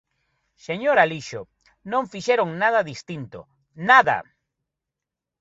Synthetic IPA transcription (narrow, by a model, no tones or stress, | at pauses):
seɲoɾaliʃʊ | nõŋfiʃeɾoŋnað̞ɐðist̪int̪ʊ̰ | naða̰